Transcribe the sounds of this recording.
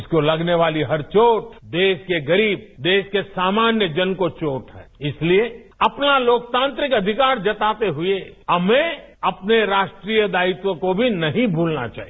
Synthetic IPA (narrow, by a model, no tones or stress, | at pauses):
skolɐɡneʋaːliɦɐɾt͡ʃoːʈ̚d̪eːʃkeɡɐɾiːb̚d̪eːʃkesaːmaːnjəd͡ʒɐnkot͡ʃoːʈɦɛ̰ːɪslie | ɐpnaloːk̚t̪ãːnt̪ɾɪkɐd̪ʱɪkaːɾd͡ʒɐt̪aːt̪eɦʊeɐmẽɐpneɾaːʃʈɾiːjəd̪aːɪt̪wõkobʱinɐɦĩbʱuːlna̰t͡ʃa̰ːɦi